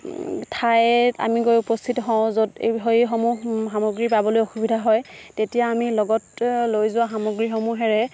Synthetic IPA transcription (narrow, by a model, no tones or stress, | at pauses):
tʰaja̰miɡojupɔstʰitɔɦɔ̃ʊ̃zodḛbixojxɔmuxamoɡɹipabɔlojoxubidʱaɦɔjtetijaːmilɔɡɔtlojzʊwaxamoɡɹixɔmuɦɛɹɛ